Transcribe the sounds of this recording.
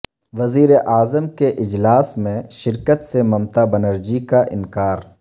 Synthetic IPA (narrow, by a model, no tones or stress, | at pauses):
ʋɐziːɾeʔaːzəmkeʔɪd͡ʒlaːsmẽʃɪɾkət̪semɐmt̪abɐnəɾd͡ʒikaʔɪ̰nkaːɾ